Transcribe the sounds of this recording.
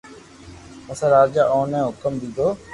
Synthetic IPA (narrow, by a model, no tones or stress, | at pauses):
əsãːɾaːd͡ʒaːʔoːnẽːɦʊkəmd̪iːd̪oː